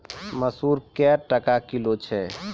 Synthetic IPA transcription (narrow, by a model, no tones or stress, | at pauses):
məsuɾkɛɾʈəkakilot͡ʃʰɛ